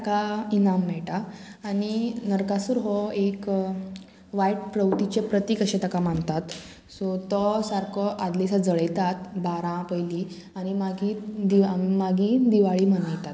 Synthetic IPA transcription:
t̪akainamːɛɭʈaːñinəɾkasuɾɦɔek | ʋajʈ̚pɾəwt̪it͡ɕepɾət̪iːkəɕẽt̪akamaɳt̪at̪ | sot̪ɔsaɾkʰɔʔad̪lisad͡zəɭəjt̪at̪baɾãpəjliː | añimaɡiːd̪imaɡiːd̪iʋaɭiːmənajt̪at̪

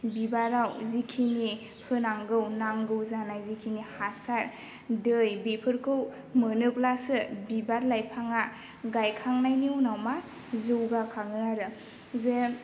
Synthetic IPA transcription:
bibaɾawzikʰini | hʰɯnaŋɡɯwnaŋɡɯwzanajzikʰinihasaɾ | dɯjbepʰɯɾkʰɯw | mɯnɯplasɯbibaɾlajpʰaŋa | ɡajkʰaŋnajniunawma | zɯwɡakʰaŋɯaɾɯ | ze

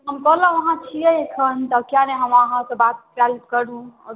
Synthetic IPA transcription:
ɦəmkɔlə̃ʋəɦãt͡ʃʰijɛekʰənt̪əkjaneɦəmaɦãkəbat̪̚pɾaltkəɾũə

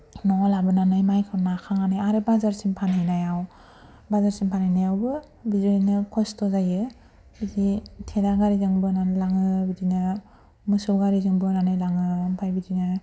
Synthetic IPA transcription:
nɔlabɯnanɯjmajkʰɯnakʰaŋanɯjaɾebazaɾsiŋpʰanajnajaw | bazaɾsiŋpʰanajnajawbɯ | bizɔnɯkʰɔstɔzajɯ | biditʰedaɡaɾizɯŋbɯnanɯlaŋɯbidinɯ | mɯsuɡaɾizɯŋbɯnanɯjlaŋɯmpʰajbidinɯ

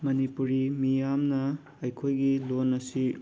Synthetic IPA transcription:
mɐnipuɾimijamnɐ | ɐjkʰojɡilonːɐsi

